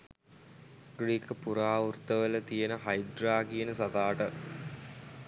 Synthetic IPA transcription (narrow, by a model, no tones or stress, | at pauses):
ɡɾiːkəpuɾaːurt̪əʋələt̪ijenəɦajɖraːɡijenəsɐt̪aːʈə